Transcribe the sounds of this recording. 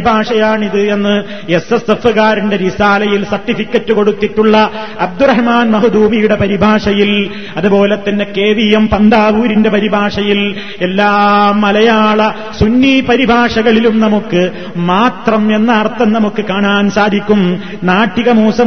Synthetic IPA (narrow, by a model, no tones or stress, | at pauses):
bʱaːʂɐjaːɳiðɨe̞nːɨ | esesefɨkaːɾinde̞ɾisaːlɐjilsɐrʈːifikʲːɐtːɨko̞ɽut̪ːiʈːuɭːɐ | ɐb̚d̪urɐɦmaːnmɐɦud̪uːmijuɽe̞pɐɾibʱaːʂɐjil | ɐðupo̞ːlet̪ːɐnːeke̞ːʋijɐmpɐnd̪aːʋuːɾinde̞pɐɾibʱaːʂɐjil | e̞lːaːmːɐlɐjaːɭɐ | sunːiːpɐɾibʱaːʂɐɣɐɭilumnɐmukːɨ | maːt̪rɐme̞nːɐːrt̪ːɐnnɐmukːɨkaːɳaːnsaːd̪ʱikʲːum | naːʈːiɣɐmuːsɐ